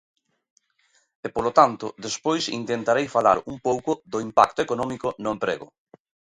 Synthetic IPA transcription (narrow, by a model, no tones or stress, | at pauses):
epolot̪ant̪ʊðespojsḭnt̪ent̪aɾejfala̰ɾumpowkʊðʊimpakt̪ʊekonɔmikʊnʊempɾḛɣʊ̰